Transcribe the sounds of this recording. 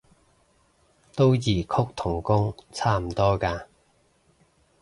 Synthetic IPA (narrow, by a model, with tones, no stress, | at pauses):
t̪o˥wjiː˨˩kʰʊ˥k̚t̪ʰʊ˨˩ŋkʊ˥ŋt͡sʰaː˥m̩˨˩t̪ɔː˥kaː˧